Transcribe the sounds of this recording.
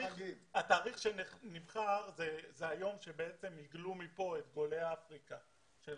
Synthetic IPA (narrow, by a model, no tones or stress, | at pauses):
ataːʁiχʃenenivχaʁzezeajo̞mʃe̞beet͡se̞miɡlumipo̞e̞t̪ɡo̞le̞aafʁika | ʃe